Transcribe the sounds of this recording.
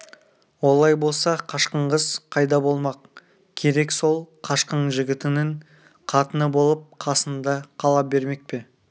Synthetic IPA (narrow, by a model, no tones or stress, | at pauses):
wo̞lˠɑjbo̞lˠsɑqʰɑʃqəɴʁəzqʰɑjd̪ɑbo̞lˠmɑq̚ | kʲʰe̞ɾe̞kso̞lˠqʰɑʃqəɴʒɪɡʲɪt̪ɪnɪɴ | qʰɑt̪ənəbo̞lˠəp̚qʰɑsənd̪ɑqʰɑlˠɑp̚be̞ɾme̞k̚pe̞